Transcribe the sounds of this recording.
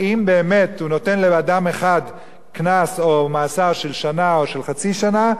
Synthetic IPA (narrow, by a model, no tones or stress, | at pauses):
ʔimbe̞ːme̞thuno̞te̞nleadameχad | knaso̞maːsaʁʃelʃanaoʃe̞lχat͡siʃana